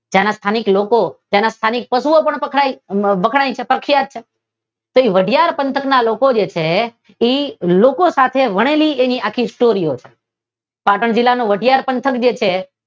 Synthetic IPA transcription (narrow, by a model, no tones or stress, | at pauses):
d͡ʒjanast̪ʰaniklokot̪janast̪ʰanik̚pəsuopəɳpəkʰaiʋəkʰɽaĩt͡ʃʰepɾəkʰːjat̪̚t͡ʃʰe | t̪oiʋəɖʱijaɾpənt̪ʰəknalokod͡ʒet͡ʃʰe | ilokosat̪ʰeʋəɽ̃elieniakʰisʈoɾijot͡ʃʰe̥ | paʈəɳd͡ʒilːanoʋəɖʱijaɾpənt̪ʰəkd͡ʒet͡ʃʰe